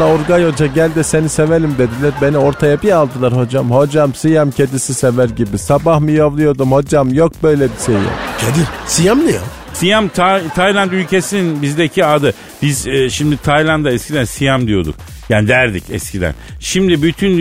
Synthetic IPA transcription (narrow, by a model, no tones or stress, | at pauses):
aoɾɡajo̞d͡ʒaɟælʲd̪ɛse̞nise̞veɾimd̪e̞d̪ilʲæɾbe̞nio̞ɾt̪ʰajabialˠd̪ɯlˠaɾho̞d͡ʒamho̞d͡ʒamsijamcʰe̞d̪isisevæɾɟibisabahmɯjovlˠujo̞d̪umho̞d͡ʒamjo̞k̚bø̞jlʲɛbiʃejjo̰kcʰed̪isijamnija̰ | sijamt̪ʰat̪ʰajlʲˠant̪ylʲcʰesininbizd̪ecʰiad̪ɯ | bizʃimd̪it̪ʰajlʲˠand̪aɛscʰʲid̪ænsijamd̪ijo̞d̪ṵk̚ | jaːnid̪æɾd̪ḭcɛ̰scʲʰid̪æ̰nʃimd̪ibyt̪ʰyn